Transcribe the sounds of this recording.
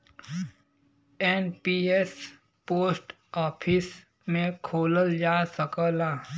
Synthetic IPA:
ɛnpiːes | poːsʈ | ɔːpʰɪs | mẽkʰoːləld͡ʒaːsəkəlaː

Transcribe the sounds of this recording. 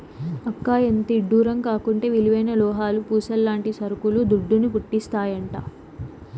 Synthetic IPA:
ɐkːaːjent̪iɖːuːɾɐmkaːkuɳʈe̞ːʋiluʋɐjnɐlɔːɦaːlupuːsɐlːaːɳʈisɐɾukulud̪uɖːunupuʈːist̪aːjɐɳʈaː

